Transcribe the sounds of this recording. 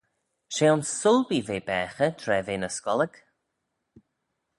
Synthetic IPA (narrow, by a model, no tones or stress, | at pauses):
ʃeːʊnsːʊlbiveːbɛːxətʰɾɛːveːnəskɔləɡ